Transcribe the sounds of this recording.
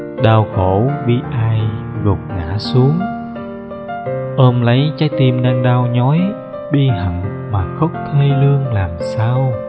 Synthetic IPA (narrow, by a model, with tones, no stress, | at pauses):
ɗaː˧˩wxo˧˩ɓi˧ʔaː˧jɣo˨˩k͡p̚ŋa̰ː˧˥su˨˦əŋ | ʔəː˧mlə˨˦jt͡ɕaː˨˦˥jt̪i˧mnaː˧ŋɗaː˧wɲɔ˨˦j | ɓi˧hə̰˧˩ŋ | maː˨˩xə˦˥k͡p̚t̪ʰe˧lɨ˧əŋlaː˨˩msaː˧w